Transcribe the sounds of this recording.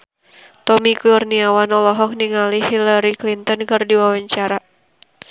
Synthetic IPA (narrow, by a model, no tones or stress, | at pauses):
t̪ɔmikuurniawanɔlɔɦɔk̚niŋaliɦilaɾiklint̪ɔnkɨrdiwawaɲt͡ʃaɾa